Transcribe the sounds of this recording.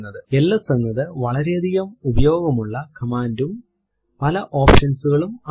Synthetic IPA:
nːɐðɨe̞lːɐsɐŋːɐðɨʋɐɭɐɾeɐd̪ʱijɐmubɐjo̞ːɡɐmuɭːɐkɐmaːndum | pɐlɐʔo̞ːpʂɐnsuɣɐɭumɐ

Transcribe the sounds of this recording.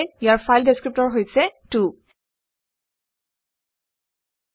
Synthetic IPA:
jaɹfʰajldeskɹip̚tɔɹɦojsɛtu

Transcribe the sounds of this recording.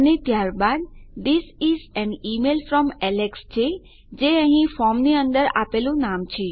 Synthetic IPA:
ənet̪jaɾbad̪d̪isizɛnimelfɾɔmɛlekst͡ʃʰe | d͡ʒeə̃ɦĩfɔmniənd̪əɾa̰pelũnamt͡ʃʰe

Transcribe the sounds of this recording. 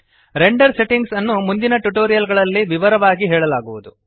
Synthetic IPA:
ɾe̞ɳɖɐɾse̞ʈiŋɡsɐnːumund̪inɐʈuʈoːɾijɐlɡɐɭɐlːiʋiʋɐɾɐʋaːɡiɦɛːɭɐlaːɡuʋud̪u

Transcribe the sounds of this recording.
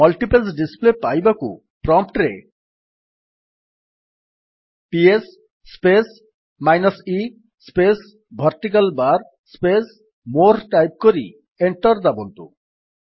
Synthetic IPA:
mɔlʈipesɖisplepajbakṵ | pɾɔmp̚ʈɾe | piesː | pes | majnɔsi | spes | bʱʌɾt̪ik̬albaɾ | spes | moɾʈajp̚koɾḭ | eɳʈɔɾd̪abont̪ṵ

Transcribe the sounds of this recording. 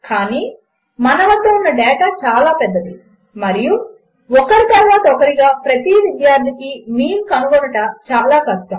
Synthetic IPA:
kaːniː | mɐnɐʋɐnt̪ɐːunːɐɖɛːʈaːt͡ʃaːlaːpɛd̪ːɐd̪i | mɐɾiju | ɔkɐɾit̪ɐɾʋaːt̪ɐɔkɐɾiɡaːpɾɐt̪iʋid̪jaːɾt̪ʰikimiːnkɐnuɡonɐʈɐt͡ʃaːlaːkɐʂʈɐ

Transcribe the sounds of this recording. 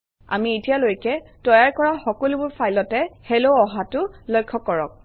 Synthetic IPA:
a̰mietijalojkɛtɔjaɹkɔɹaxɔkɔlubʊɹpʰajlɔtɛheloɔɦatʊlɔjkʰːɔkːɔɹɔ̰k̚

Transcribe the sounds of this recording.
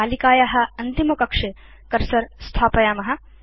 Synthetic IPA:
aːlikaːjaɦɐ̆ɐnt̪imɐkɐkʂe | kɐɾsɐɾst̪ʰaːpɐjaːmɐɦɐ̆

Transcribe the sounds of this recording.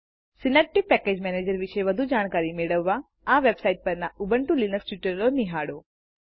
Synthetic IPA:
sɪnep̚ʈipɛked͡ʒmɛned͡ʒəɾʋiʃeʋəd̪ʱud͡ʒaɽ̃kaɾimeɭəʋːa | aʋebsaiʈ̚pəɾnaubəɳʈũlinəksʈiʈəɾloniɦaɽo

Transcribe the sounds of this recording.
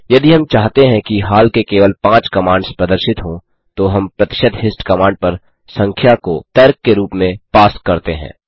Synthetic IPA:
jɐd̪iɦɐmt͡ʃaːɦt̪eɦɛ̃kiɦaːlkekeːʋəlpãːt͡ʃkɐmãːɳɖspɾɐd̪əɾʃɪt̪ɦõ | t̪oɦɐmpɾɐt̪ɪ̥ʃəd̪ɦɪsʈkɐmãːɳɖ̚pɐɾ | sɐ̃ŋkʰjakot̪ɛːɾkːeɾuːpmẽpaːskɐɾt̪eɦɛ̰̃ː

